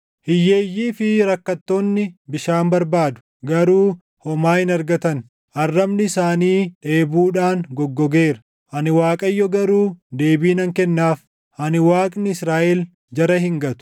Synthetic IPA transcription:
hɪjːe̞ːjːiːfɪɾɐkːɐt̪ːoːnːɪbɪʃaːmbɐɾbaːd̪ʊ̥ | ɡɐɾuː | hɔmaːhɪnɐɾɡɐt̪ɐn | ʔɐrːɐbnɪɪsaːniːᶑe̞ːbuːᶑaːnɡɔɡːɔɡe̞ːɾɐ | ʔɐnɪwaːkʼɐjːɔɡɐɾuːd̪e̞ːbiːnɐŋkɛnːaːf | hɐnɪwaːkʼnɪɪsɾaːʔɛl | d͡ʒɐɾɐhɪŋɡɐt̪ʊ̥

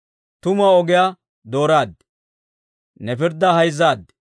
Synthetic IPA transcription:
t̪ʊmɐɔɡɪja | d̪o̞ːɾaːd̪ːɛ | nɛpɪɾd̪ɐhɐjzːaːd̪ːɛ

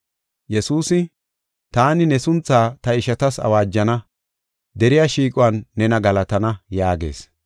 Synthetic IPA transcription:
jɛsuːsɪ | t̪aːnɪnɛsʊnt͡sːaːt̪ɐɪʃɐt̪ɐsɐ̰waːd͡ʒːɐnɐ | d̪ɛɾɪjaʃiːkʼʊɐnːɛnɐɡɐlɐt̪ɐnɐjaːɡe̞̰ːs

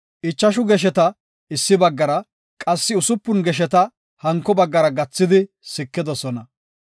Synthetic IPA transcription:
ʔɪt͡ʃːɐʃʊɡɛʃ̬ɛt̪ɐ | ɪsːɪbɐɡːɐɾɐ | kʼɐsːɪʊsʊpːʊnɡɛʃ̬ɛt̪ɐ | hɐŋkːɔbɐɡːɐɾɐɡɐt͡sːɪd̪ɪ | sɪkːɪd̪ɔsɔnɐ

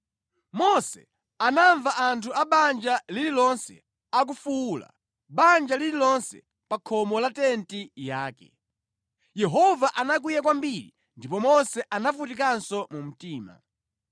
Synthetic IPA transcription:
mɔsɛ̰ | anaɱvaʔantʰuaɓand͡ʒalililɔnsɛ̰ | ak̬ufuːla̰ | ɓand͡ʒalililɔnsɛ̰ | pakʰɔmɔlatɛntijaːkɛ̰ | jɛɦɔvaʔanak̬wujak̬wambiɾi | ndipɔmɔsɛʔanafutik̬ansɔmum̩tiːma̰

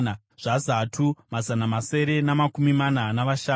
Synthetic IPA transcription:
ʐ̥azatʰumazanamase̞ɾe̞namakumimananaʋaʃaː

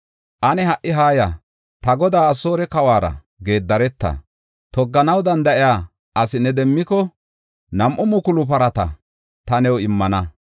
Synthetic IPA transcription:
ʔɐnɛɦɐʔːɪɦaːjɐ | t̪ɐɡɔd̪aːso̞ːɾɛkɐwaːɾɐ̰ | ɡe̞ːd̪ːɐɾɛt̪ːɐ̰ | t̪ɔɡːɐnɐwd̪ɐnd̪ɐʔɪjaː | ʔɐsɪnːɛd̪ɛmːɪkɔ | nɐmʔʊmʊkʊlʊp̬ɐɾɐt̪ɐ̰ | t̪ɐnɛwɪmːɐnɐ

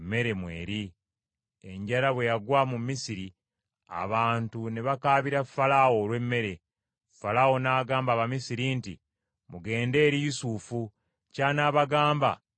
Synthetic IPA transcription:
mːe̞ɾe̞mwe̞̰ːɾi | e̞ɲɟalaβwe̞jaɡwaːmumːisiɾi | a̰βaːntuneβakaːβiɾafalawo̞ːlwe̞mːe̞ɾe̞ | falawo̞naːɡaːmbaːβamisiɾintḭ | muɡe̞ːnde̞ːɾijusufu | caːnaːβaɡaːmba̰

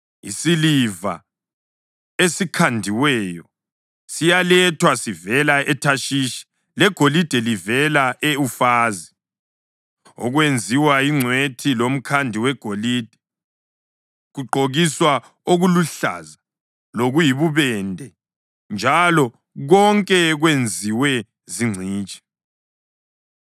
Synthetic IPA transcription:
isiliva̰ | esikʰandʱiwɛjɔ | sijalɛtʰwasivɛlaɛtʰaʃiːʃi̥ | lɛɡ̥ʱolid̥ʱɛlivɛlaʔeufaːzi | ɔ̰ɣwend͡zʱiwaiŋ͡ǀʱwetʰilom̩kʰandʱiwɛɡ̥ʱoliːd̥ʱɛ | ɣuǃʱoɣiswa | oɣuluɬa̰za | loɣujiβuβɛndʱɛ | nd͡ʒʱalɔ | ɣɔŋkʼɛɣwend͡zʱiwɛ | ziŋ͡ǀʱiːt͡ʃʼɛ̥

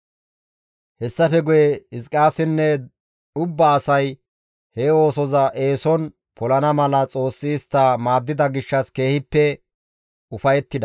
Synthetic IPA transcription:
hɛsːɐfɛɡʊjɛɪskʼaːsɪnːɛ | ʊbːɐːsɐj | hɛo̞ːsɔzɐʔe̞ːsɔn | pʰɔlɐnɐmɐlɐt͡sʼo̞ːsːiːst̪ːamaːd̪ːɪd̪ɐɡɪʃːɐske̞ːhɪpːɛ | ʊfɐjɛt̪ːɪd̪ɐ

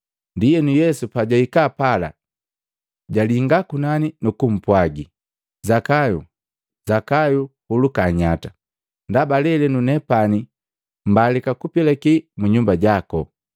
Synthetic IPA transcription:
ndijɛnujɛsupaɟaikapala̰ | ɟaliŋɡakunaninukum̩pwaɡi | zakajṵ | zakajuhulukaɲata | ndabalɛlɛnunɛpani | m̩balikakupɛlɛkimuɲumbaɟakɔ

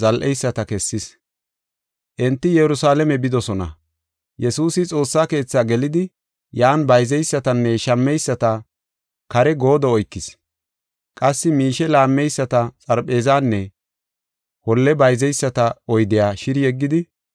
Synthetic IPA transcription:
zɐlʔɛjsːɐt̪ɐkɛsːɪs | ʔɛnt̪ːɪjɛɾʊsaːlɛmɛbɪd̪ɔsɔnɐ̰ | jɛsuːsɪt͡sʼo̞ːsːaːke̞ːt͡sːaːɡɛlɪd̪ɪ | jaːnbɐjzɛjsːɐt̪ɐnːɛʃɐmːɛjsːɐt̪ɐ | kɐɾɛɡo̞ːd̪ɔːjkːɪs | kʼɐsːɪmiːʃɛlaːmːɛjsːɐt̪ɐt͡sʼɐɾpʼe̞ːzaːnːɛ | hɔlːɛbɐjzɛjsːɐt̪ɐɔjd̪ɪjaːʃɪɾjɛɡːɪd̪ɪ

